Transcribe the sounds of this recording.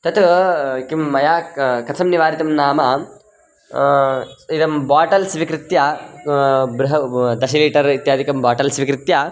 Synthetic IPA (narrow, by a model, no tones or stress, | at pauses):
t̪ɐt̪kimːɐjaːkɐsʰɐmniʋaːɾit̪ɐmnaːmɐ | id̪ɐmbaːʈɐlsʋikɾɪt̪ja | bɾuɦɐd̪ɐʃɐliːʈɐɾit̪jaːd̪ʱikɐmbaːʈɐlsʋikɾɪt̪ja